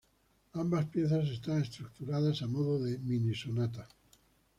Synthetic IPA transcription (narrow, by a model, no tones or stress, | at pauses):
ambaspje̞θas̬e̞st̪ane̞st̪ɾuk̚t̪uɾaðasamoðoðeminisonat̪̬a